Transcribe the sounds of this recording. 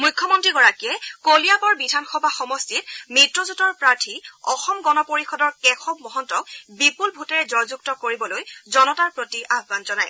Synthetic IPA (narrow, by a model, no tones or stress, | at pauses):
mujkʰːɔmɔntɹiɡɔɹakijɛkolijabɔɹbidʱanxɔbʱaxɔmɔstit̚mitɹɔzutɔɹpɹaɹtʰiɔxɔmɡɔnɔpoɹixɔdɔɹkɛxʰɔb̚mɔɦɔntɔk̚bipulbʱutɛɹɛzɔɹzuk̚tɔkoɹibɔlojzɔnɔtaɹpɹotiʔabʱbanzɔnaj